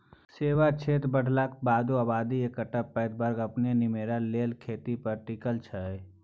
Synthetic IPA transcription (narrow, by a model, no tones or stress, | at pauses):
seːʋat͡ʃʰeːt̪ɾbəɽ̤lak̚baːd̪uəbaːd̪iekəʈəpəːd̪̚bəɾɡəpnenimeːɾaleːlkʰeːt̪ipəɾʈikəlt͡ʃʰəj